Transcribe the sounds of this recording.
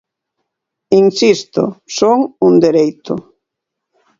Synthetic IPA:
iŋsist̪ʊ̰soŋund̪eɾejt̪ʊ̰

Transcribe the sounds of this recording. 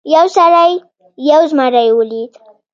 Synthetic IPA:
jawsaɾajː | awzmaɾajwəlid̪

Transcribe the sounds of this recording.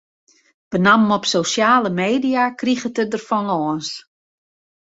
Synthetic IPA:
b̥ənammɔpsowsjaːləmeːdijakriɣətədərfɔnɔːns

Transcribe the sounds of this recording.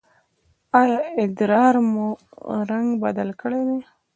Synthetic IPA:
ɑjɑɪd̪ɾɑɾmuɾaŋɡbad̪alkəɽed̪e

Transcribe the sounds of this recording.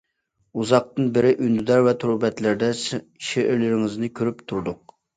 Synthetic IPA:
uzɑq̚t̪ɨnbɪɾɪʔynd̪yd̪ɛɾvɛt̪ʰuɾbɛt̪lɪɾd̪ɛs | ʃeʔɪɾlɪɾɪŋɪznɪkʲʰøɾypt̪ʰuɾd̪ʊq̚

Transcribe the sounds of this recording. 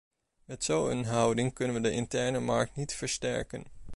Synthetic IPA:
mɛtsowə̰nɦʌwdɪŋkɵnənʋədəʔɪntɛɹnəmɑɹk̚tnitfəɹstɛ̰ɹkə̰n

